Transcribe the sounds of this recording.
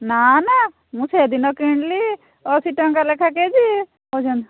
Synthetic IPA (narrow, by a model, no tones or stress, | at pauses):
nana | mũsed̪inɔkiɳɖli | ɔsiʈəŋkalekʰak̬ed͡ʒi | od͡ʒɐn